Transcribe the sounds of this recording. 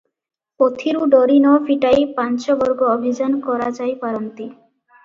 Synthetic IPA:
ot̪ʰiɾuɖoɾinɔfiʈajpant͡ɕobɔɾɡoobʱid͡ʑankɔɾad͡ʑajpaɾont̪i

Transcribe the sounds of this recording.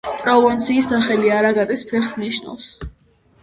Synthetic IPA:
pʼɾɔvɔnt̪sʰiːsaχɛliaɾaɡat̪ʼispʰɛχsniʃna̰vs

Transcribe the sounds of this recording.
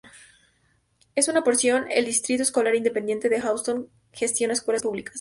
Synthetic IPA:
e̞sunapo̞ɾsjo̞neld̪ist̪ɾit̪oesko̞laɾind̪epend̪je̞nt̪eðexawst̪oŋ | xe̞st̪jo̞naeskwe̞laspuβlikʰḁs

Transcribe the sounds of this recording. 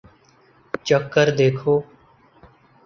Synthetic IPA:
t͡ʃəkːəɾd̪eːkʰoː

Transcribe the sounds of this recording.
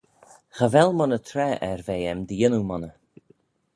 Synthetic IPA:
xavɛlˠmɔnət̪ʰɾɛʔɛɹveːɛmd̪əjɪnumɔnə

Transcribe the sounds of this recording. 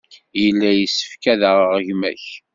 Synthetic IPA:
jəlːæjəsːə̥fkæðəʁʁəʝmæ̰ç

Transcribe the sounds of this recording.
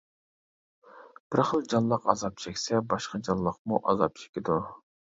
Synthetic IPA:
b̥ɪɾχəlˠd͡ʒɑnlˠəqɑ̰zɑp̚t͡ʃʰɛkʲsɛbɑʃqɑd͡ʒɑnlˠəq̚muʔɑzɑp̚t͡ʃʰe̥kʲid̪u

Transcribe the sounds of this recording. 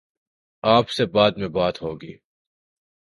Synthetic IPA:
aːpsebaːd̪mẽbaːt̪ɦoːɡiː

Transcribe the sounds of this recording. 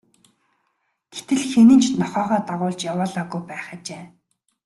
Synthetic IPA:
ɡ̥et̪ɘ̆ɮxenɘ̆nt͡ɕʰnɔχœːʁɔːt̪aʁʊːɮt͡ɕjawʊːɮaːɣujpæːχə̆t͡ɕeː

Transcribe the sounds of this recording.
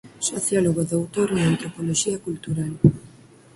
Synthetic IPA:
soθjaloɣoðowt̪oɾeŋant̪ɾopoloʃiɐkult̪uɾal

